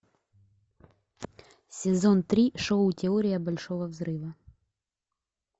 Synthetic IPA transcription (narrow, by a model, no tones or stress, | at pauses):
sʲɪzɔnt̪ɾʲiʃoʊtʲɪɔɾʲɪjɐbɐlʲʂɔʋɐvzɾɪʋɐ